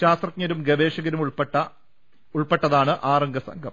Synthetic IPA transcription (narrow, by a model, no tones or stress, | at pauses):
ɕaːst̪rɐt̪ɲɐɾumɡɐʋeːʂɐɣɐɾumupʈːɐ | uɭpeʈːɐðaːɳɨʔaːrɐŋɡɐsɐ̰ŋɡʱɐm